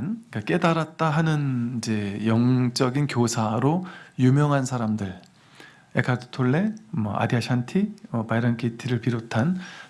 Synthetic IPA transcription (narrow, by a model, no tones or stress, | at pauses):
nkak͈e̞daɾat̚t͈aɦanɯnid͡ʑe̞jʌŋt͡ɕ͈ʌɡinkjosʰaɾojumjʌŋɦansʰaɾamdɯɭ | ḛkʰatʰo̥tʰoɭːe̞mʌ̰ʔa̰diaɕʰantʰiʌpaiɾʌnkʰitʰiɾɯɭpiɾotʰan